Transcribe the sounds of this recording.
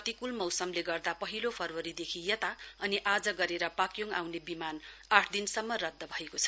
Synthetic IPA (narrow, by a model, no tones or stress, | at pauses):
ʌt̪ikulmʌwsʌmleɡʌrd̪apʌɦilopʰʌrwʌɾid̪ekʰijʌt̪aʌniʔad͡zʌɡʌɾeɾʌpakjoŋɡa̰wnebimanaʈʰd̪insʌmːʌrʌd̪ʱːʌbʱʌekot͡sʰʌ̥